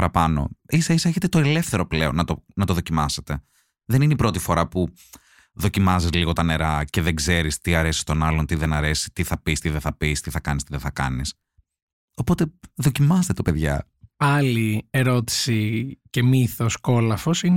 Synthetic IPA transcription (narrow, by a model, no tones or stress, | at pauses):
pɐɾɐpɐno̞̰isɐisɐçe̞t̪e̞t̪oe̞le̞fθe̞ɾo̞ple̞o̞̰nːɐt̪onɐt̪oðo̞cimɐset̪e̞ | ðenineipɾo̞t̪ifo̞ɾɐpu | ðo̞cimɐzizliɣo̞t̪ɐne̞ɾɐceðeɡze̞ɾist̪iɐɾe̞si̥st̪o̞nɐlo̞nt̪iðenɐɾe̞si̥t̪iθɐpist̪iðeθɐpist̪iθɐkɐnist̪iðeθɐkɐ̰nis | o̞po̞t̪e̞ðo̞cimɐst̪et̪opeðʝɐ̰ | ɐlieɾo̞t̪i̥sice̞miθo̞sko̞lɐfosin